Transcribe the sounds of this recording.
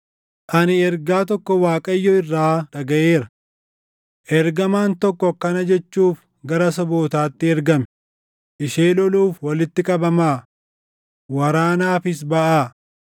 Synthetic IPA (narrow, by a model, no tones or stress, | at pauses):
ʔɐnɪɛɾɡaːt̪̬ɔkːɔwaːkʼɐjːɔɪrːaːᶑɐɡɐʔeːɾɐ | ʔɛɾɡɐmaːnt̪ɔkːɔkɐnɐd͡ʒɛt͡ʃːuːf | ɡɐɾɐsɐboːt̪aːt̪ːɪɛɾɡɐmɛ | ʔɪʃeːlɔluːfwɐlɪt̪ːɪkʼɐbɐmaː | wɐɾaːnaːfɪs̬bɐʔaː